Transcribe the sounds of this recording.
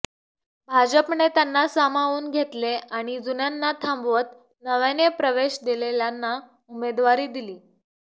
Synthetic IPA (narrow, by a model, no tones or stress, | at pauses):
bʱad͡ʑəpnet̪janːasamaʋuːnɡʱet̪leaɽ̃id͡zunjanːat̪ʰãmbʋət̪ | nəʋanjəpɾəʋeɕd̪ileljanːa | umed̪ʋaɾiːd̪iliː